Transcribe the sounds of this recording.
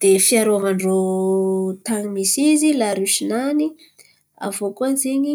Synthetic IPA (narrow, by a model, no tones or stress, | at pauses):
d̪̥efiaɾoavaɳro | t̪aŋimisizilaɾuʃinani | a̰vokuanzeɲi